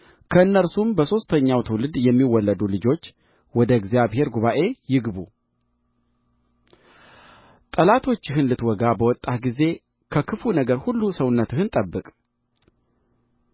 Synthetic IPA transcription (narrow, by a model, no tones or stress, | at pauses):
kʰəɨnːəɾsumbəso̞st̪ʰəɲːawt̪ʰɨwlɨd̪jɛmːiwːɔlːəd̪ulɨd͡ʒo̞t͡ʃː | wɔd̪əɡzijaβhe̞ɾɡuβaʔe̞jɪɡbu | t̪ʼəlat̪ʰo̞t͡ʃːɪɦɨnlɨt̪wɔɡabəwɔt̪ʼːat̪ɡize̞ | kʰəkʰɨfunəɡəɾhulːusəwnːət̪ɨhɨnt̪ʼəbːɨkʼ